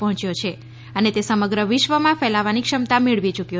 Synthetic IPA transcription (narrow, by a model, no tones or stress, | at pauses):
pɔɦɔ̃t͡ʃjot͡ʃʰe | ənet̪esəməɡɾəʋɪʃʋəmãfɛlaʋanikʃəmt̪ameɭʋit͡ʃukjo